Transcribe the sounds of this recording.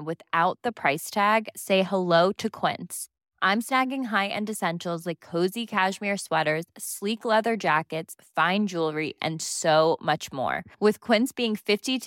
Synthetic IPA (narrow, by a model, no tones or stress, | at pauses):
wɨðaʊt̪̚ðɨpʰɹ̥aɪstʰæɡseɪhəloʊɾɨkʰw̥ɪ̰̃ns | ʔãɪ̃msnæɡɪ̃ŋɦaɪʔɨ̰̃ndɨsɛ̃nʃl̩ˠzlaɪkʰːoʊzikʰæʒmɪɹswɛɾə˞z̥sliklɛðə˞d͡ʒækɨtsfãɪ̃nd͡ʒulˠɹiʔɨ̰̃nsoʊmʌt͡ʃmɔ̰ɹwɨð̥kʰw̥ɪ̃nsb̥iɪ̃ŋfɪfti